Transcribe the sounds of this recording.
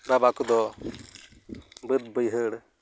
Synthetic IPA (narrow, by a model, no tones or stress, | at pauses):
ɾabakud̪ɔ | bəd̪̚bəjɦəɽ